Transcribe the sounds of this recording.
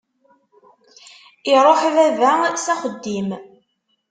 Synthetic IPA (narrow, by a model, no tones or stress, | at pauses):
ɪɾˤoħðæðæsæχəd̪ːim